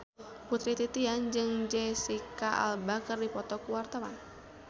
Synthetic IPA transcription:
put̪ɾit̪it̪iand͡ʒɨŋd͡ʒɛsikaʔa̰lbakərdipɔt̪ɔkuwart̪awan

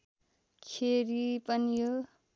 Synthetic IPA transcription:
kʰeɾipʌnijo

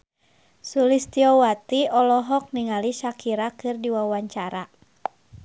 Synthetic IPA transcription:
sulist̪iɔwat̪iɔlɔɦɔk̚niŋaliʃakiɾakɨrdiwawaɲt͡ʃaɾa

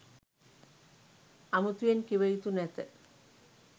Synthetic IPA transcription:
amut̪ujenkiβejit̪unɛt̪ə

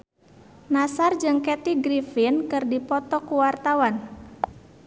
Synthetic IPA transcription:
nasard͡ʒɨŋkɛt̪iɡɾifinkɨrdipɔt̪ɔkuwart̪awan

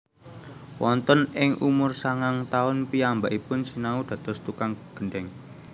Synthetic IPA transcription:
wɔnt̪ɔnɪŋʔumʊrsaŋaŋt̪aʊnpiambaʔipʊnsinaud̪̥ä̤d̪̥ɔ̤st̪ukaŋɡ̥əɳɖɛŋ

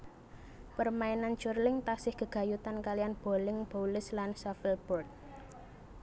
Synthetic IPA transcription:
pərmainant͡ʃʊrlɪŋt̪asɪhɡ̥ə̤ɡ̥a̤jut̪ankalijanb̥o̤lɪŋb̥olɪslansafilb̥ɔrt̪̚

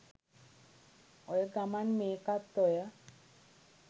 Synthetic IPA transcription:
ɔjɡamanmekat̪ːɔja

